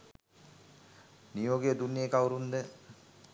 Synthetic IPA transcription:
nijoːɡed̪unːiekawuɾund̪ə

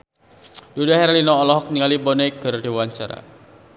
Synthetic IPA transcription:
d̥udaɦɛɾalinɔːlɔɦɔk̚niŋalibɔneɡ̥ərd̥iwaɲt͡ʃa̰ɾa̰

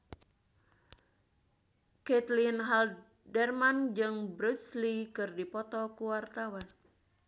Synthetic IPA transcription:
kɛt̪linɦal | dɛrmand͡ʒɨŋbɾuslikɨrdipɔt̪ɔkuwart̪awan

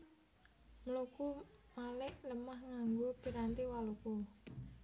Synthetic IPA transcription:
məlukumalɪʔləmahŋaŋɡopiɾant̪iwaluku

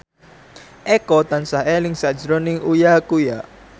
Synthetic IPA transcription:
ʔɛkɔt̪ansaɦelɪŋsad̥d͡ʒɾɔnɪŋujakuja

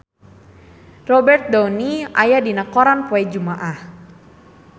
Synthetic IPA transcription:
rɔbɛrt̪̚dɔwniʔa̰jadinakɔɾanpɔɛd͡ʒumaʔah

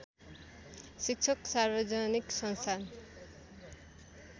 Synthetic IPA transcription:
sik̚t͡ʃʰʌksaɾbʌd͡ʒʌniksʌnst̪ʰan

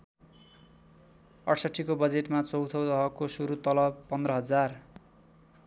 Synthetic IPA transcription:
ʌʈʰsʌʈʰːikobʌd͡zeʈmat͡sʌwt̪ʰʌwt̪ʌɦʌkosuɾut̪ʌlʌbpʌnd̪rɾʌɦʌd͡zar

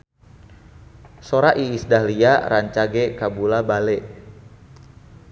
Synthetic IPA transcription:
soɾaʔiːsdahliaɾaɲt͡ʃaɡekabulabalɛʔ

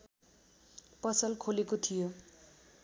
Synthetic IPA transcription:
pʌsʌlkʰolekot̪ʰijo

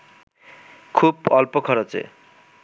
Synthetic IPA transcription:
kʰubɔlpokʰɔɾot͡ɕḛ

